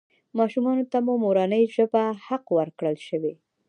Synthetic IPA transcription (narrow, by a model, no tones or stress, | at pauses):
mɑʃumɑnot̪amomoɾɑnəjʒəbahaqwəɾkɽəlʃəwe